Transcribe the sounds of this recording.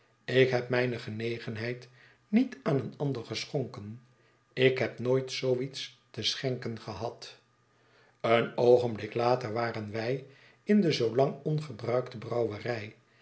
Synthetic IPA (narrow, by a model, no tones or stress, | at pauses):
ɪkɦɛpmɛjnəχənejχənɦɛjt | nitaːnənɑndəɹχəsχoŋkən | ɪkɦɛpnoːjtsowits | təsχɛŋkənχəɦɑt | ənowχənblɪklaːtəɹʋaːrənʋɛj | ɪndəzowlɑŋɔnχəbrœɥktəbrɑwərɛj